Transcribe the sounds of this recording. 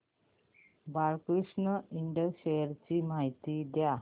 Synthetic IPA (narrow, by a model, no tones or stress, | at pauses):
baɭkɾiʂɳəiɳɖəɕejəɾt͡ɕiːmaɦit̪id̪ja